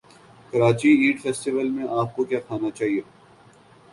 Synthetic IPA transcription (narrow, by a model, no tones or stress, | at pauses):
kɐɾaːt͡ʃiiːɖfɛːsʈɪʋəlmẽʔaːp̚kokjaːkʰaːnat͡ʃaːɦioː